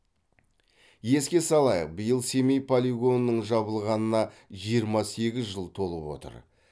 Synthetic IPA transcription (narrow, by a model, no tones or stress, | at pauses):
je̞skʲe̞sɑlˠɑjə̰q̚bəjəlˠse̞mejpʰolʲiɡo̞nːəɴʒɑβəlˠʁɑnənɑʒijəɾmɑse̞ɡʲɪzʒəlˠt̪ʰo̞lˠəpwo̞̰t̪ə̰ɾ